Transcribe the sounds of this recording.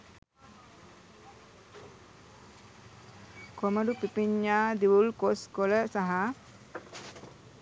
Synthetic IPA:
komədupipiɲːaːd̪iwulkoskoləsaɦa

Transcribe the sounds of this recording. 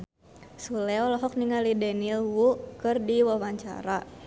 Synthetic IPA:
sulɛɔlɔɦɔk̚niŋalidɛnilwukɨrdiwawaɲt͡ʃa̰ɾa

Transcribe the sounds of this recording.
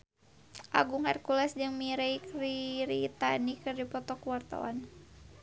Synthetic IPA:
ʔa̰ɡuŋarkulɛsd͡ʒɨŋmiɾɛjkriɾit̪anikɨrdipɔt̪ɔkuwart̪a̰wa̰n

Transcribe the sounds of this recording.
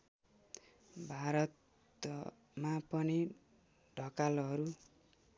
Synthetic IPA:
bʱaɾʌt̪ | mapʌni | ɖʱʌkalɦʌɾu

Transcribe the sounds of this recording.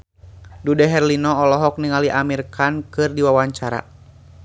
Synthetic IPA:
dudɛɦɛrlinɔɔlɔɦɔk̚niŋaliʔamirkankɨrdiwawaɲt͡ʃaɾa̰

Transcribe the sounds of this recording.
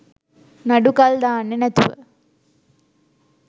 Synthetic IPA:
naɖukɐld̪aːnːenɛt̪uʋə̰

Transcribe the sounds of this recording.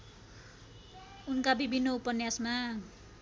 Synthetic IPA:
unkabibʱinːoupʌnjasma

